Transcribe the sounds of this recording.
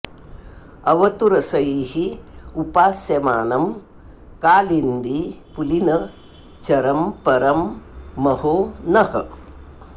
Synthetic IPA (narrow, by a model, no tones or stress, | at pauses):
ɐʋɐt̪uɾɐsɐjihiupaːsjɐmaːnɐm | kaːlind̪ipulinɐ | t͡ʃɐɾɐmpɐɾɐmːɐhoːnɐhɐ̰